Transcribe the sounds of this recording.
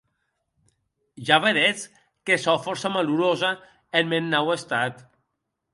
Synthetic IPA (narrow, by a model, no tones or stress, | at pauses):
ʒaβeðet͡s | kesɔfɔɾsamaluɾoza | enmennawest̪at̪